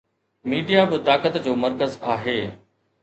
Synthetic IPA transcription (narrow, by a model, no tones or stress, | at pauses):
miːɖijabɪt̪aːkət̪d͡ʑoːməɾkəzaːɦeː